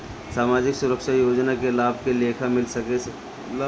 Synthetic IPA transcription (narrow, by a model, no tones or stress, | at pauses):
saːmaːd͡ʒɪksʊɾəkʃajoːd͡ʒnakelaːb̚ʱkeleːkʰamɪlsɐke